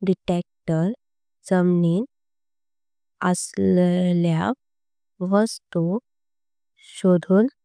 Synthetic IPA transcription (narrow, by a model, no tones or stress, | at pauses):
ɖiʈek̚ʈəɾ | d͡zəmniːn | əslla | ʋəst̪u | ɕod̪ʱuːn